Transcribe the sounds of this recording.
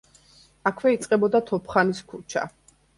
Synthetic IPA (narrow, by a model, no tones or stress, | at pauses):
akʰwɛit̪sʼqʼɛbɔd̪at̪ʰɔpʰχaniskʰut͡ʃʰa̰